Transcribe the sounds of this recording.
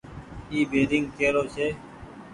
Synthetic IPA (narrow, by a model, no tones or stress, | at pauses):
iːbeːɾɪŋɡkeːɾoːseː